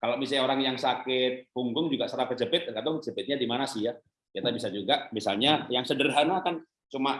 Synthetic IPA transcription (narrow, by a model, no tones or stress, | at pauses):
kaloʔmisaɲoɾaŋjaŋsakɪt̪̚huŋɡʊŋd͡ʒuɡaʔsəɾapɛt̪̚t͡ʃəpɪt̪̚kat̪ʊŋsəpɪt̪̚ɲadimanasija | kat̪abisad͡ʒuɡaʔmisa̰lɲajaŋsədərɦanakan | t͡ʃumaʔ